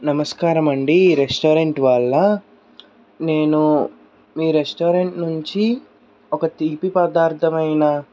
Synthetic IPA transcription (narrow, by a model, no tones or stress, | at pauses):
nɐmɐskaːɾɐmɐɳɖiɾesʈoːɾeɳʈʋɐɭːɐ | ne̞ːnu | miːɾesʈoːɾeɳʈnuɲt͡ʃi | ɔkɐt̪iːpipɐd̪aːɾt̪ʰɐmɐjnɐ